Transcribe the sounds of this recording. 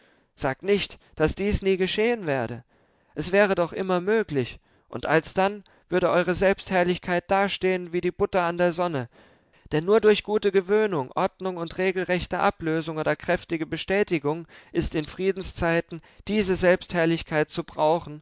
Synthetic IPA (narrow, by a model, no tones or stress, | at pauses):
z̥aːk̚tnɪçtd̥asd̥iːsniːɡəʃeːənvɛːɐdə | ʔɛsv̥ɛːʁ̞ədɔχʔɪ̰mɐmøːklɪç | ʔʊ̰ntʔalsd̥an | v̥ʏɐdəʔɔʏʁ̞əzɛlpsthɛɐlɪçkʰaɪt̚d̥aːɐʃteːənviːdiːbʊtɐandeːɐzɔnə | d̥ɛnːuːɐdʊɐçɡ̥uːtəɡəvøːnʊŋʔɔɐdnʊŋʊntʁeːɡl̩ʁɛçtəʔa̰pløːzʊŋoːdɐkʁ̥ɛftɪɡəbəʃtɛːtɪɡʊŋʔɪstɪnfʁ̥iːdn̩st͡saɪtn̩ | d̥iːzəzɛlpsthɛɐlɪçkʰaɪt̚t͡subʁaʊxn̩